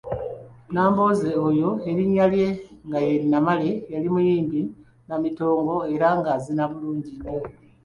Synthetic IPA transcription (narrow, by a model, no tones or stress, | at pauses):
naːmbo̞ːze̞ojo̞eɾiɲːalje̞ŋɡajenamale̞jalimujiːmbi | namito̞ːŋɡo̞e̞ɾaŋɡazinaβuluːɲɟino